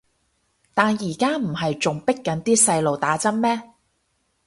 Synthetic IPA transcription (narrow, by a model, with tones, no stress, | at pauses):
t̪aː˨njiː˨˩kaː˥m̩˨˩ɦɐ˨jt͡sʊ˨ŋpɪ˥kːɐ˨˥nt̪iː˥sɐ˧jlo˨wt̪aː˨˥t͡sɐ˥nmɛː˥